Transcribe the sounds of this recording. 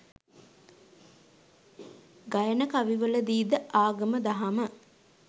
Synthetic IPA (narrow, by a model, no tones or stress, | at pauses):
ɡajənəkaʋiʋələd̪iːd̪əʔaːɡəməd̪aɦamə